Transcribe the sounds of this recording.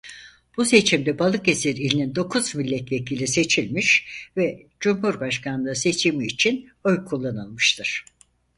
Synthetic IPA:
b̥use̞t͡ʃʰimd̪ɛbalˠɯkesiɾilʲinind̪o̞kʰuzmilʲːɛt̪ve̞cʰilʲise̞t͡ʃʰilʲmiʃvɛd͡ʒumɦuɾbaʃkanlˠɯse̞t͡ʃʰimiːt͡ʃʰinøjkʰulˠːanɯlˠmɯʃt̪ʰɯɾ̥

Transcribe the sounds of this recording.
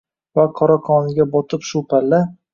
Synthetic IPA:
vaqʰɒɾɒqʰɒnɪɡʲabɒt̪ʰɪpʃʊpʰalːa

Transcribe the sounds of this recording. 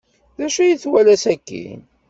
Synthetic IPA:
ðæʃæjəθwælæsækːḭn

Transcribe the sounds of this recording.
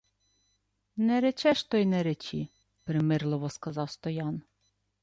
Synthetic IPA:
nɛɾɛt͡ʃɛʃt̪ɔjnɛɾɛt͡ʃi | pɾemɪrlˠɔʋɔskɐzɑwst̪ɔjɑn

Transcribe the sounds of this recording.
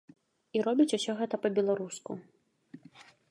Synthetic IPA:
iɾɔbʲit͡sʲusʲɔɣɛt̪ɐpɐbʲɛlˠaɾusku

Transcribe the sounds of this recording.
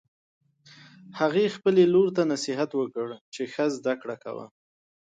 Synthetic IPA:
haɣexpəleloɾt̪anasiɦat̪wəkəɽt͡ʃexəzd̪akɽaka̰wa̰

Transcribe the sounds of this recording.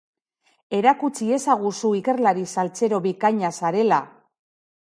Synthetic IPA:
e̞ɾakut͡sie̞saɣ̞usuike̞ɾlaɾisalt͡se̞ɾo̞βikaɲasaɾe̞la̰

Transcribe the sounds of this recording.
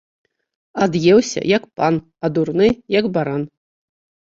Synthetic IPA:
ad̪jɛwsʲɐ̰jɐkpan | ad̪urnɨjaɡbaɾan

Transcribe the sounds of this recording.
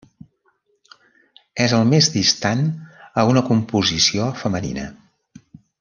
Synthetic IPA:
ɛzəlˠmezd̪ist̪anəunəkumpuzisiofəmənḭnə̰

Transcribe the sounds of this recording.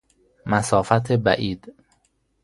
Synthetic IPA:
mæsɒːfæt̪ʰebæ̰ʔiːd̪̥

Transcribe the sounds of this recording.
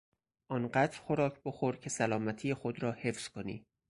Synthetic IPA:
ʔɒːnɢæd̪ɾxo̞ɾɒːcʰboxo̞ɾcʰe̞sælɒːmæt̪ʰiːjexo̞d̪ɾɒːhe̞fz̥kʰo̞nḭː

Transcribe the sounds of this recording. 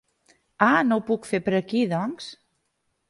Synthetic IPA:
anowpukfepəɾəkiðɔŋs

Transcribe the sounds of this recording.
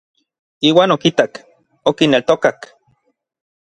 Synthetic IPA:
iːwaːnokit̪ak | okinelt̪okak

